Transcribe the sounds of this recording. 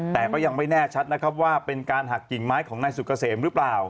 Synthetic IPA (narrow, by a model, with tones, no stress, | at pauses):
t̪ɛː˨˩kɔː˥˩ja˧ŋma˥˩jnɛː˥˩t͡ɕʰa˦˥t̪̚na˦˥kʰa˦˥p̚waː˥˩pe˧nkaː˧nɦa˨˩k̚ːi˨˩ŋmaː˦˥jkʰɔː˩˦ŋnaː˧jsu˨˩kːa˧seː˩˦mɾɯ˦˥plaː˨˩w